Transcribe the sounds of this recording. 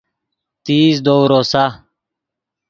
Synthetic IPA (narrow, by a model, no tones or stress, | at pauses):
t̪iːsd̪oːɾosa